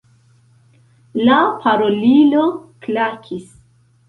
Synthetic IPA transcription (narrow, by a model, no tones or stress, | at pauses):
lapʰaɾoliloklakʰis